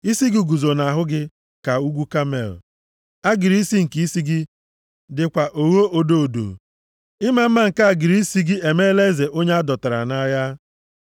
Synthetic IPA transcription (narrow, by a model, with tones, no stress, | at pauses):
i˦si˦ɡi˦ɡu˨zo˨na˨a˨ɦʊ˦ɡɪ˦ | ka˨u˦ɡʷu˦ka˦mḛ˨l̩̰˨ | a˦ɡɪ˨ɾi˦si˦ŋ̩˨ki˦si˦ɡɪ˦ | dɪ˨kʷa˨ʔo˨wo˦ʔo˨do˦o˨do̰˨ | ɪ˦ma˦m̩˦ma˦ŋ̩˨ka˦a˨ɡɪ˨ɾi˦i˦si˦ɡɪ˦e˨me˦le˦ze˨ʔo˦ɲe˦a˦dɔ˨ta˨ɾa̰˨na˦ja˦